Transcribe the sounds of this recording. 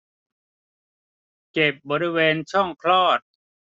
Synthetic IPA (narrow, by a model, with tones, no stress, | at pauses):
ke˨˩p̚bɔː˧ɾi˦˧weː˧nt͡ɕʰɔ˥˩ŋkʰlɔː˥˩t̪̚